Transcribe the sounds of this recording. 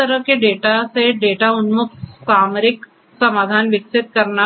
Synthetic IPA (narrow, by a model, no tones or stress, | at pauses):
əɾəkeɖeːʈaseɖeːʈaʊnmʊk̪̚saːmɾɪk | sɐmaːd̪ʱaːnʋɪksɪt̪̚kɐɾna